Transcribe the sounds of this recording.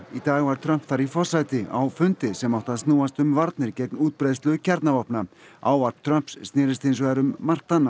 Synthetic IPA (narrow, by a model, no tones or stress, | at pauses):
it̪aːɣvaɾ̥t̪ʰɾœm̥pθaɾifɔrsajt̪ɪa̰wfʏnt̪ɪsɛmawht̪aðst̪nuːast̪ʏmvaɾt̪nɪɾcɛt̪nuːt̪̚pɾajðst̪lʏʏcʰɛɾt̪navɔhpnaaːwvar̥pt̪ʰɾœm̥psːt̪nɪːɾɪst̪ensvaːɾʏmːar̥t̪anːa